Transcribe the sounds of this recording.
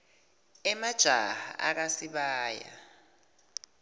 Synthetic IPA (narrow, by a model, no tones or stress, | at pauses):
ɛmad̥ʒ̥ʱaɦa̰ʔa̰k̬asiɓaːja̰